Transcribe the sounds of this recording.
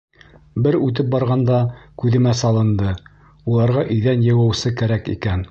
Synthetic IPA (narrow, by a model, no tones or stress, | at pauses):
bɘɾʉt̪ɘp̚bɑɾʁɑnd̪ɑkʉðɘ̆mæsɑlˠɤ̆nd̪ɤ | ulˠɑɾʁɑʔɵ̆jðænjɤ̆wæ̆wsɘkæɾækḭkæn